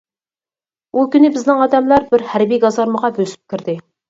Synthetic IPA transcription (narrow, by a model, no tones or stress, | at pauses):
ukʲynɪbɪznɪŋɑd̪ɛmlˠɑɾbɪɾhæɾbijɡɑzɑɾməʁɑbøsy̥p̚kʲʰɪɾd̪ɪ